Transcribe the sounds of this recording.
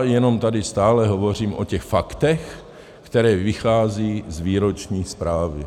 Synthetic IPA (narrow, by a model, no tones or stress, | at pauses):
jɛno̞mt̪adɪst̪aːlɛɦovo̞r̝iːmʔo̰cɛxfakt̪ɛx | kt̪ɛɾɛːvɪxaːziːzviːɾot͡ʃɲiːspɾaːvɪ